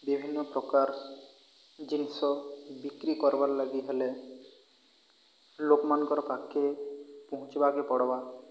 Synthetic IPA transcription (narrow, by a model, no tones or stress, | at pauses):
bibʱinːɔpɾɔkaɾ | d͡ʒinisɔbikɾikɔɾbaɾlaɡiɦele | lokmankɔɾɔkakːepɔɦũt͡ʃibakepɔɽɔba